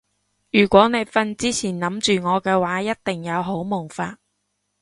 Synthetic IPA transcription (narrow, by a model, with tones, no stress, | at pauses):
jyː˨˩kʷɔː˨˥ne˨˧jfɐ˧nt͡siː˥t͡sʰiː˨˩nnɐ˨˥mt͡ʃyː˨ŋɔː˨˧kɛː˧waː˨˥jɐ˥t̚t̪ɪ˨ŋjɐ˨˧wɦo˨˥wmʊ˨˩ŋfaː˧t̚